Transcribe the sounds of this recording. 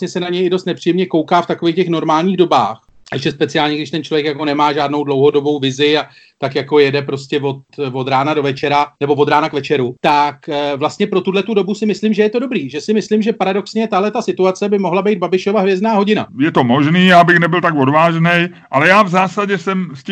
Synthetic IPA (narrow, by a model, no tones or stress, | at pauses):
ɲɛsɛnaɲɛjɪdo̞st̪nɛpr̥ijɛmɲɛko̞wkaːft̪ako̞viːxcɛxno̞ɾmaːlɲiːɣdo̞ba̰ːx | ɛʃɛspɛt͡sɪaːlɲɛɡdɪʃt̪ɛnt͡ʃlovjɛkjakonɛmaːʒaːdno̞wdlo̞wɦo̞do̞bo̞wvɪzɪa | t̪akjako̞jɛdɛpɾo̞scɛvo̞t̪vo̞d̪ɾaːnado̞vɛt͡ʃɛɾanɛbo̞vo̞d̪ɾaːnakvɛt͡ʃɛɾut̪akvlast̪ɲɛpɾo̞t̪udlɛt̪udo̞busɪmɪslɪmʒɛjɛt̪o̞do̞bɾiːʒɛsɪmɪslɪmʒɛpaɾado̞ksɲɛt̪aɦlɛt̪asɪt̪uat͡sɛbɪmo̞ɦlabɛjd̪babɪʃo̞vaɦvjɛzdnaːɦo̞ɟɪna̰jɛt̪o̞moʒniːjaːbɪxnɛbɪlt̪aɡvodvaːʒnɛj | ʔalɛjaːvzaːsaɟɛsɛmsc